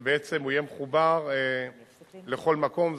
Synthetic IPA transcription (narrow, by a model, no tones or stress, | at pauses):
beet͡se̞mujemeχubaʁe | leχo̞lmako̞m